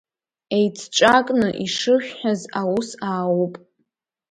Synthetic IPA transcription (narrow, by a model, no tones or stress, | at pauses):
ejt͡sʰʈ͡ʂʼakʼnɨʔiʂɨʃᶣʲħazawusaːwupʼ